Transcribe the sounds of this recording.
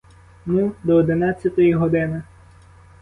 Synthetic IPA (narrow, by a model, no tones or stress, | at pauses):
nud̪ɔːd̪ɪnɑt͡sʲːɐt̪ɔjiɦɔd̪ɪnɪ